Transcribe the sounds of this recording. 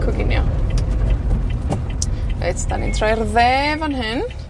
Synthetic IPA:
kʰɔɡɪnjɔ̰ | vḛːtʰd̥anintʰrajrðɛːvanɦɪn

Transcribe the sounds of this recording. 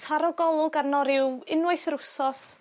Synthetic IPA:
tʰaɾɔɡɔlˠʊɡarnɔɾɪwɪnwaɨθrʊsɔs

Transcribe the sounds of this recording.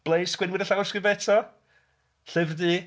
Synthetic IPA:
b̥lejskwɪnwɪdəɬawskɪbɛtʰɔ | ɬɪvdɨ

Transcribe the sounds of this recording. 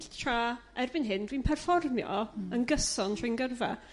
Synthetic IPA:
ɬtʰraɛrbɪnɦɪndwinpʰɛrfɔrmjɔ̰ənɡəsɔntʰijnɡərvɛ̰

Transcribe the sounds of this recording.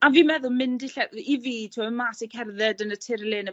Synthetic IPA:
aviːmɛðʊlˠmɪndɪɬɛiviːtʰuəmaːsikʰɛrðɛdənətʰɪɾleːnə

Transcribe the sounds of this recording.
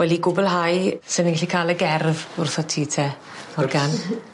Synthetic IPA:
wɛliɡʊbʊlˠɦajsɪnənɡaɬikʰaːlˠəɡɛrvʊrθɔtʰiːtʰɛ | ɔrɡan

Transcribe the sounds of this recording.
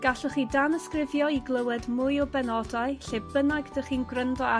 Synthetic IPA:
ɡ̥aɬəχiːdaməskrɪvjɔiɡlˠəwɛdmʊjɔbɛnɔdaɨɬebənaɡdəχiːnɡrəndɔa

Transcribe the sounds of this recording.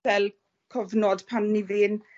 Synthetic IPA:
ɛlˠ | kʰɔvnɔd̥pʰanːiveːn

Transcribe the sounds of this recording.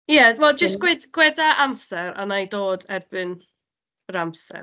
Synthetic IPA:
jɛwɛlˠd͡ʒəstɡ̥wɛdɡ̥wɛdaʔamsɛɾa̰najdoːdɛrb̥ɨn | əɾamsɛ̰

